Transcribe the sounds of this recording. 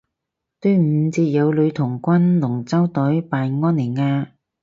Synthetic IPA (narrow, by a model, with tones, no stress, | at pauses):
t̪ɵ˧˥ɥm̩˨˧t͡siː˧t̚jɐ˨˧wlɵ˨˧ɥt̪ʰʊ˨˩ŋkʷɐ˥nlʊ˨˩ŋt͡sɐ˥wt̪ɵ˨˥jpaː˨nŋɔː˥nli˨˩nŋaː˧